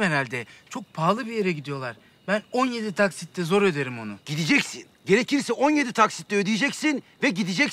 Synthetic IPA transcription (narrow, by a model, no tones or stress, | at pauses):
ɛɾalʲd̪ɛt͡ʃʰo̞k̚pʰaːlˠɯbijeɾɛɟid̪ijo̞lˠaɾ | bæno̞nje̞d̪it̪ʰaksit̪ːʲɛzo̞ɾø̞d̪eɾimo̞nʊɟ̥id̪id͡ʒɛcsinɟe̞ɾe̞cʰiɾsɛʔo̞nje̞d̪it̪ʰaksi̥t̪lʲɛød̪ijed͡ʒɛcsin | vɛɟid̪id͡ʒɛc